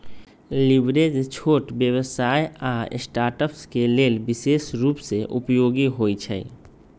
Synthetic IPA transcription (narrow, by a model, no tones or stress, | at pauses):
lɪʋɾeːd͡ʒt͡ʃʰoːʈbjəwəsaːea̰ːsʈaːɾʈəpskeleːlbɪʃeːʃɾuːpseʔʊ̰pjoːɡiɦoːit͡ʃʰɛ̰